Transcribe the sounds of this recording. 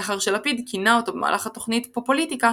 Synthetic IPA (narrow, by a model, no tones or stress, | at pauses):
aχaʁʃelapid̪kʰinao̞t̪obema̰ːlaχat̪oχnit̪popolit̪ika